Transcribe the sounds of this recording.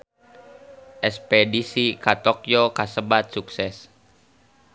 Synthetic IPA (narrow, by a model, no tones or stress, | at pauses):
ʔɛspɛdisikat̪ɔkjɔkasəbat̪̚suksɛs